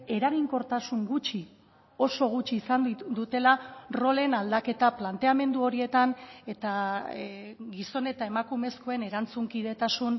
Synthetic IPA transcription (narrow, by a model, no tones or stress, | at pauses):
e̞ɾaɣiŋko̞ɾt̪asuŋɡut͡ʃi | o̞so̞ɣ̞ut͡ʃiːsand̪ut̪e̞laro̞le̞nald̪ake̞t̪aplant̪e̞ame̞nd̪uo̞ɾie̞t̪ane̞t̪a | ɡiso̞ne̞t̪ae̞makume̞sko̞e̞ne̞ɾant͡suŋkið̞e̞t̪asun